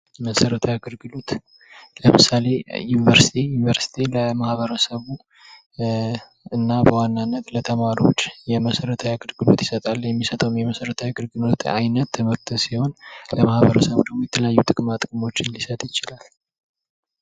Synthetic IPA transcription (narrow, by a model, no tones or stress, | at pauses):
məsəɾət̪ʰəjaɡɨɾɡɨlot̪ | ləmɨsale̞junivəɾsi̥t̪ʰijunvəɾsi̥t̪ʰiləmahβəɾəsəβu | ɨnːabəwanːanːət̪lət̪ʰəmaɾo̞̰t͡ʃːjɛməsəɾət̪ʰəjaɡɨɾɡɨlo̰t̪jɪsət̪ʼaljɛmːisət̪ʼəwumjɛməsəɾət̪ʰawɡɨlɡɨlot̪ʰa̰jnət̪ʰːəmɨɾt̪ʰəsiho̞nləmahβəɾəsəβd̪əmujɛt̪ʰələjajːut̪ʼɨkʼmat̪ʼɨkʼmo̞t͡ʃːɪnlisət̪ʼjɪt͡ʃɪlal